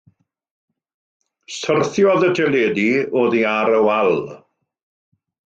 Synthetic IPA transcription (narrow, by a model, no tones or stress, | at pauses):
sərθjɔðətʰɛleːdioːðiaɾəwalˠ